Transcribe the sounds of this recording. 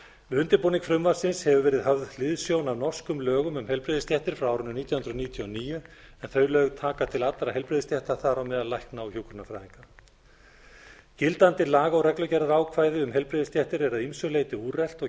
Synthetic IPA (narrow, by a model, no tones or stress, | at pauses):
ʏnt̪ɪɾpoːniŋkfɾʏmvaɾsɪnshɛvʏvɛːɾɪðɦœvðlɪðsjownavnɔr̥skʏmlœːɣʏmʏmhɛlpɾɪːðɪst̪ʰjɛht̪ɪɾ̥fɾawawɾʏnʏniːt̪jahʏnɾʏðniːt̪ʰjɔniːjʏ | ɛnθœːɥlœɣt̪ʰaːkat̪ʰɪlat̪ɾaɦɛlpɾɪːðɪst̪jɛht̪ḁθaɾawmɛðalajknawçuːwkʏɾnafɾa̰jðiŋka | cɪlt̪ant̪ɪlaːɣaɔwɾɛklœcɛɾaɾaːwkʰvaːjðɪʏmɦɛlpɾɪðɪst̪jɛht̪ɪɾɛɾaðimsœlejt̪ɪuːrɛl̥t̪ɔ